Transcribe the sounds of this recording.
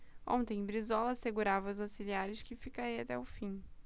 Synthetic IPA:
õ̰nt̪ẽj̃bɾizɔlɐseɡuɾavɐʊzasiliaɾɪʃkɪfikaɾiat̪ɛʊfĩ

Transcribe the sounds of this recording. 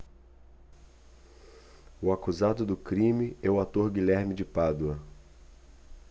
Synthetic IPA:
ʊakuzad̪ʊd̪ʊkɾĩmɪɛʊat̪oɾɡilɛɾmɪd͡ʒɪpad̪wɐ

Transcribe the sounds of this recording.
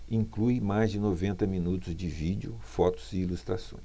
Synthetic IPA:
ĩklujmajzd͡ʒɪnovẽnt̪ɐmĩnut̪ʊzd͡ʒɪvid͡ʒʊfɔt̪ʊ̥z̥ɪilust̪ɾasõ̰j̃

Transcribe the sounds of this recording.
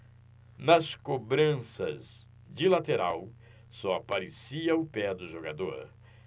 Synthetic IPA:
nɐskobɾɐ̃sɐ̰z | d͡ʒilat̪eɾaw | sɔapaɾesiɐʊpɛd̪ʊʒoɡad̪o̰ɾ

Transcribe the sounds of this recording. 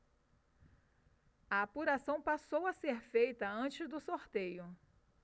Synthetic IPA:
ɐapuɾasɐ̃w̃pasowɐseɾfejt̪ɐɐ̃t͡ʃɪzd̪ʊsoɾt̪ejʊ

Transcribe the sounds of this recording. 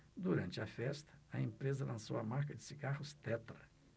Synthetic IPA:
d̪uɾɐ̃nt͡ʃɪɐfɛst̪ɐ̥ɐẽmpɾezɐlɐ̃sowɐmaɾkɐd͡ʒɪsiɡahʊst̪ɛt̪ɾɐ

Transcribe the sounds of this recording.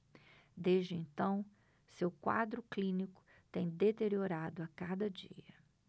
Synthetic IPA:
d̪ezd͡ʒɪẽnt̪ɐ̃w̃ | sewkwa̰d̪ɾʊklĩnikʊ̥ | t̪ẽj̃d̪et̪eɾioɾad̪ʊakad̪ɐd͡ʒḭɐ

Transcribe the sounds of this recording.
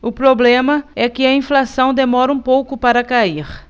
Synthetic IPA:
ʊpɾoblẽmɐɛkɪɐĩflasɐ̃w̃d̪emɔɾɐũpowkʊpaɾɐkaiɾ

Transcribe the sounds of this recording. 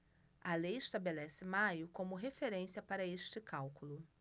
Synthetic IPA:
ɐlejɪʃt̪abelɛsɪmajʊkõmʊɦefeɾẽsiɐpaɾɐeʃt͡ʃɪkawkulʊ

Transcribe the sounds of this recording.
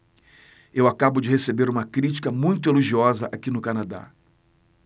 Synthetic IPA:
ewakabʊd͡ʒɪhesebeɾũmɐkɾit͡ʃi̥kɐmũj̃t̪ʊeloʒiɔzɐʔakinʊkanad̪a̰

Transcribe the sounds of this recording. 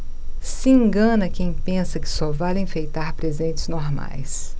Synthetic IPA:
siĩŋɡɐ̃nɐkẽj̃pẽsɐkɪ̥sɔvalẽfejt̪aɾpɾezẽt͡ʃ̪ɪznoɾma̰js

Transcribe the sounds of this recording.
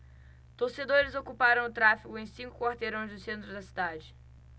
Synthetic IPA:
t̪oɾsed̪oɾɪzokupaɾɐ̃w̃ʊt̪ɾafiɡʊẽj̃sĩkʊkwaɾt̪eɾõj̃zd̪ʊsẽnt̪ɾʊd̪ɐsid̪ad͡ʒɪ

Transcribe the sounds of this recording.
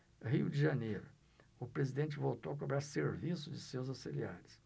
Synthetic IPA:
ɦiʊd͡ʒɪʒɐnejɾʊ | ʊpɾezid̪ẽnt͡ʃɪvowt̪owɐk̬obɾaɾseɾvisʊd͡ʒɪsewzawsilḭa̰ɾɪs

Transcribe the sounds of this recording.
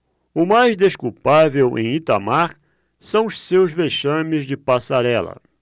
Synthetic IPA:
ʊmajzd̪eʃkuwpavewʔḛ̃j̃it̪amaɾ | sɐ̃w̃ʊssewzveʃɐ̃mɪzd͡ʒɪpasaɾɛlɐ̰

